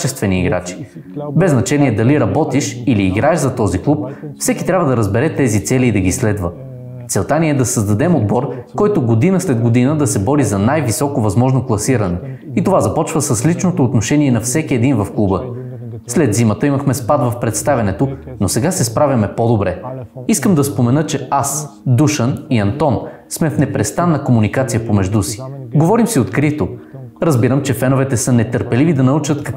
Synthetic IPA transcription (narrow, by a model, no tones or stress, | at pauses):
t͡ʃɛst̪vɛniːɡɾa̰t͡ʃi̥ | bɛznɐt͡ʃɛniɛd̪ɐliɾɐbɔt̪iʃiliːɡɾaɛʒzɐt̪ɔziklˠupfsɛki̥t̪ɾʲabvəd̪ɐɾəzbɛɾɛt̪ɛzit̪sɛliːd̪ɐɡislɛd̪və | t̪sɛlˠt̪anʲiɛd̪ɐsəzd̪ɐd̪ɛmod̪bɔɾkɔjt̪oɡod̪inəslɛd̪ɡod̪inəd̪ɐsɛbɔɾizɐnajvisɔkovɐzmɔʒnoklˠɐsiɾənɛ | it̪ovazɐpɔt͡ʃvəsəslit͡ʃnot̪oːt̪noʃɛniɛnɐfsɛkiɛd̪invɐfklˠubə | slɛd̪zimət̪əiməxmɛspad̪vɐfpɾɛt̪st̪avʲɐnɛt̪o | nosɛɡasɛspɾavʲɐmɛpod̪obɾɛiskəmd̪ɐspomɛnɤt͡ʃɛasd̪uʃəniɐnt̪ɔn | smɛfnɛpɾɛst̪anːɐkomunikat̪sijəpomɛʒd̪usi̥ɡovɔɾimsiot̪kɾit̪oɾɐzbiɾəmt͡ʃɛfɛnovɛt̪ɛsɤnɛt̪əɾpɛlivid̪ɐnɐut͡ʃət̪k